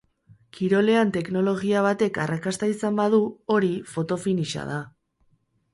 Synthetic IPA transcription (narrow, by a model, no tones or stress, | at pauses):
kʰiɾo̞le̞ant̪e̞kno̞lo̞ɣ̞iaβ̞at̪e̞karakast̪aisambaðuo̞ɾifo̞t̪o̞finiʃa̰ð̞a